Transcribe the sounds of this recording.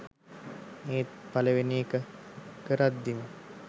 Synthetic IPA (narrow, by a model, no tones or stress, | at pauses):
eːt̪̚paləʋeniekəkəɾat̪d̪imə